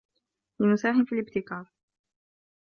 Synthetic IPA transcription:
lɪmʊsaːħɪmfilɪb̚t̪ɪkaːɾ

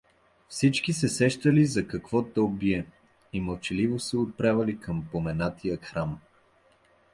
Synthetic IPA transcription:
fsit͡ʃkisɛsɛʃt̪əlizɐkɐkvɔt̪ɔbiɛ | iməlˠt͡ʃɛlivosɛot̪̚pɾavɐlikʰəmpomɛnat̪ijəxɾam

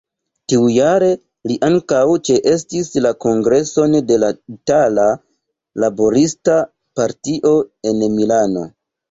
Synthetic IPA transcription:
tiujaɾe̞ | liʔaŋkawt͡ʃe̞ʔe̞stislako̞ŋɡɾe̞so̞nde̞laitala | labo̞ɾista | paɾtiʔo̞e̞nmilano̞̰

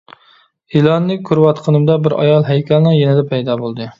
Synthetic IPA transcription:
hilˠɑnːɨkʲʰːyɾwɑt̪qʰənɨmd̪ɛbɪɾɑ̰jɑlˠɦæjkʲʰɛlˠnɨŋjɛnɪd̪ɛpʰɛjd̪ɑːbolˠd̪ɨ

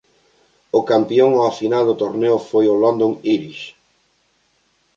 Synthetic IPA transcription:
ʊkampioŋafinald̪ot̪oɾneʊfojʊlond̪oŋiɾiʃ

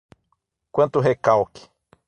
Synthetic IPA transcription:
kʷɐ̃nt̪ʊɦekawkɪ̥

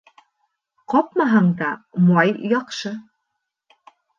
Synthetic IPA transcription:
qɒp̚mɑɦɑɴd̪ɑmɑjjɑqʃɤ

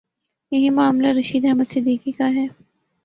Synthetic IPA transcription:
jɐɦĩmaːmlaɾɐʃiːd̪ɦɛɦmət̪sɪd̪iːkikaɦɛː

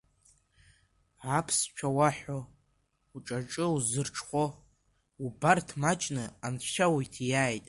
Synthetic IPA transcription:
ʕapʰst͡ʃʷᶣʰawaħʷo | uʈ͡ʂʼaʈ͡ʂʼɨuzɨrʈ͡ʂʰχʷo | ubartʰmat͡ʃʼnɨanʃawijtʰjaːjtʼ

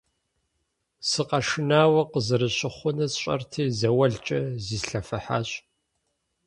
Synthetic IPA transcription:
sɨqɐʂɪnaːwɐqəzɨɾɨɕʼɪχʷʊnɐɕʼɐ̰rtʰiːzɐwɐɮt͡ʃʼɐziːsɬɐfɐħa̰ːɕʼ

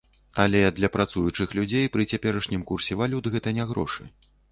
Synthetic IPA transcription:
alʲɛd̪lʲɐpɾat̪sujut͡ʂɨxlʲud͡zʲejpɾɨt͡sʲapʲɛɾɐʂnʲimkursʲɛvalʲut̪ɣɛt̪ɐnʲɛɣɾɔ̰ʂɨ̰

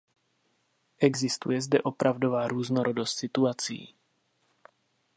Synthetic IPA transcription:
ʔɛɡzɪst̪ṵjɛzdɛʔopɾʔavdovaːɾuːznoɾodost̪sɪt̪uat͡sḭː

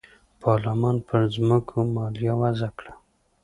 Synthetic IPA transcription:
pʰɑɾlamɑnpʰəɾzməkʰomɑljɑwazakɽa

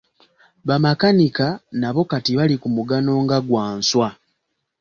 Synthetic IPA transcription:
βamakanikanaβo̞katiβalikumuɡano̞ːŋɡaɡwaːnswa

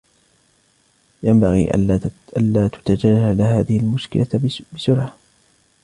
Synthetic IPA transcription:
jambaɣḭːʔʔanlaːt̪ʊ̥t̪ad͡ʒalːalhaːðɪhɪlmʊʃkɪ̰labɪsʊɾʕa

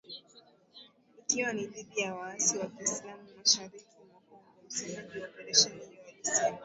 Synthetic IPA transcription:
ikiwanilibijawaasiwakiislamumaʃaɾikimaku | am̩siiɗiɔpɛɾɛʃɛniwalisam

